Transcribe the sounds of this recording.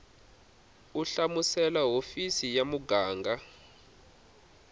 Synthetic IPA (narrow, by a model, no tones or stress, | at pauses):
uɬamusɛlaɦofisijamuɡʱaːŋɡʱa